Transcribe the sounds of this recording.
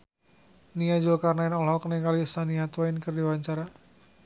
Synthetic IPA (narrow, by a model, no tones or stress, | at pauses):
niad͡ʒokarnaɪnɔlɦɔkənɛŋkalisaniat̪waɪnkərdiwaɲt͡ʃaɾa